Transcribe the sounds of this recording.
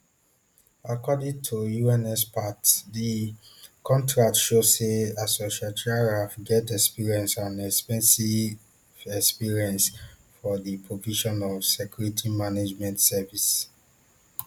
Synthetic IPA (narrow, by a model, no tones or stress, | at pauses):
akɔdĩŋtʰujuɛ̃nɛspatdi | kʰɔ̃ntɹak̚tʃozseasoʃiatɹaɹafɡɛtɛkspiɹiɛ̃nsãnɛkspɛ̃nsi | vɛkspiɹiɛ̃nsfɔdipʰɹoviʃɔ̃nɔvsɛkjuɹitʰimaned͡ʒmɛ̃ntsɛvis